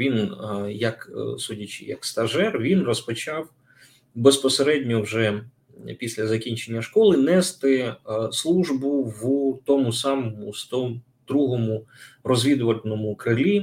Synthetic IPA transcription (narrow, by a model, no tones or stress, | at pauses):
ʋʲinjɐksudʲɐt͡ʃɪ̰jɐ̰kst̪ɐʒɛrʋʲinrɔspɔt͡ʃɑw | bespɔseɾɛdʲnʲɔwʒɛ | pʲisʲlʲɐzɐkʲinʲt͡ʃenʲːɐʃkɔlˠɪnɛst̪ɪslˠuʒbʊwt̪ɔmʊsɑmɔmʊst̪ɔ | d̪ɾuɦɔmʊrɔzʲʋʲid̪ʊʋɐlʲnɔmʊkɾɪlʲi